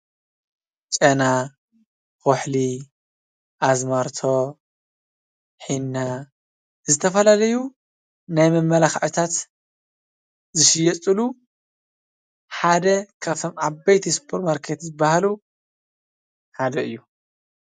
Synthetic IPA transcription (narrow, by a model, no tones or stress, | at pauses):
t͡ʃʼɐna | xoħli | ʔazmaɾt̪ʰo̞ | ħinːa | zɨt̪ʰɐfɐlalɐju | najmɐmːɐlaxʕt̪ʰat̪ | zɨʃɪjːɛt͡sʼɨlu | ħad̪ɐkʰaβt̪ʰomʕabajt̪ʰisu̥pʰeɾmaɾkʰet̪zɨbːahalu | ħad̪ɐɨjːu